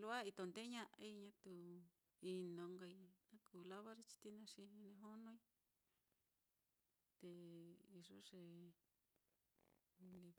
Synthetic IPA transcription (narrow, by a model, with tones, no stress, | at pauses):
lu˦a˦i˧t̪o˧˨nd̪e˦ɲã˦˧ʔa˧i˧ɲã˦t̪u˧ | i˧nõ˨˧ŋɡa˧i˧nã˦kuː˨la˦βa˦ʐe˧t͡ʃi̥˧t̪i˦nã˧ʂi˧nẽ˧ɦo˦nõ˦i˦ | t̪e˧i˧ʐo˦ʂe˨ | li˧